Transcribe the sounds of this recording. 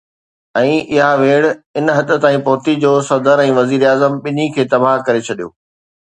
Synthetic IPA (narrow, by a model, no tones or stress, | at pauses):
ɛ̃ːɪɦaʋeːɽɪnɦɐt̪ə̆t̪aːĩpɐɦʊt̪id͡ʑoːsɐd̪ʱəɾɛ̃ːʋɐziːɾaːzəmɓɪnikʰeːt̪ɐbaɦkɐɾet͡ɕʰɐɗijo̰ː